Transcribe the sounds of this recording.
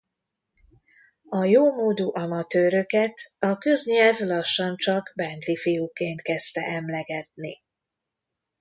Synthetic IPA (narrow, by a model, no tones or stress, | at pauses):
ɒjoːmoːd̪uʔɒmɒt̪øːɾø̞kɛt̪ɒkø̞zɲɛlvlɒʃːɒnt͡ʃɒɡbɛnd̪lifijukeːnt̪kɛst̪ɛ̰ʔɛmlɛɡɛt̪̚nḭ